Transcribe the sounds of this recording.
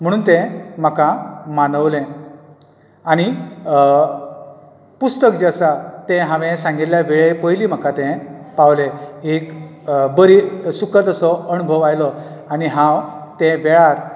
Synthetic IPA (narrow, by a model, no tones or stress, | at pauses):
m̤əɽ̃uːnt̪ɛ̃m̤əkãmanəʋlẽ | aɽ̃i | pust̪ək̚d͡ʑasat̪ɛ̃ɦãʋẽsãŋɡeljaʋeɭepəjliːm̤akat̪ɛ̃paʋlẽek | bəɾisukət̪əsɔənubʱəʋajlɔaniɦãwt̪ɛ̃ʋɛɭaɾ